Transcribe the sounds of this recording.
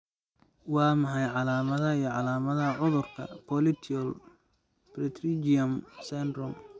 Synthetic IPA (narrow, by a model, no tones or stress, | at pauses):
wɑːmɐħɑjʕɑlaːmɐðɐijɞʕɑlaːmɐðɐʕʊðʊrkʰɐ̰pʰɔlɪt̪ʰɔl | brɪt̪rid͡ʒɪjɐmsɛnd̪rɔm